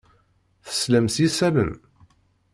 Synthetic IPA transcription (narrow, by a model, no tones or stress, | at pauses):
θə̥slæmsisæmə̰m